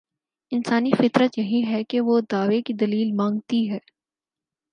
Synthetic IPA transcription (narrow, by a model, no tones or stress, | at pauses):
ɪnsaːnifɪt̪ɾət̪jɐɦĩɦɛkeʋod̪aːʋekid̪ɐliːlmãːŋɡ̚t̪iɦɛː